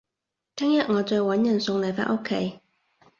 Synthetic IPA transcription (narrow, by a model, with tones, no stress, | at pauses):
t̪ʰɛː˥ŋjɐ˨t̚ŋɔː˨˧t͡sɔː˧jwɐ˨˥njɐ˨˩nsʊ˧ŋlɐ˨˩fa̰ː˧t̚ʔo˥kʰːe˨˥j